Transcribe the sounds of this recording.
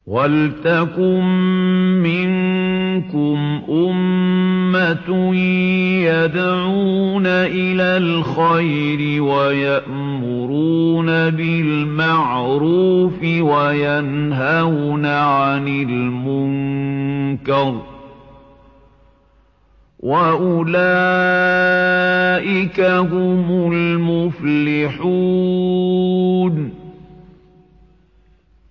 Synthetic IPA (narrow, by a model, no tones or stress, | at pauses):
walt̪akʊmː | ɪŋkʊmʔʊmː | at̪ | jad̪ʕuuːnaʔɪlaːlxaj | ɾɪwajaʔ | mʊɾuːnabɪl | maʕ | ɾuːfɪwajanɦawnaʕanɪlmʊŋŋ | kɑɾˤ | wʔaʔʊla | ʔɪkaɦʊmʊlmʊflɪħuː | n